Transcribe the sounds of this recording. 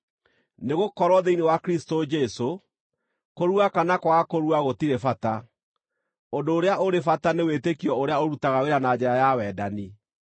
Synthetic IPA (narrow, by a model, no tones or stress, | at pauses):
neɣokɔɾwɔðeinewakɾistod͡ʒeso | koɾwakanakwakoɾwaɣotiɾefata | ondoːɾeaoɾefatanewetekiɔoɾeaoɾutaɣaweɾanad͡ʑɛɾajawɛːdani